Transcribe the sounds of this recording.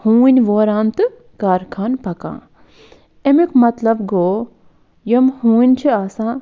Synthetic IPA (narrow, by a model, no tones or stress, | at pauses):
hũːinʲʋoːɾaːnt̪ɨ | kaːɾkʰaːnpɐkã̰ː | emikmɐt̪lɐbɡoː | jɐmhũːinʲt͡ʃʰiaːsãː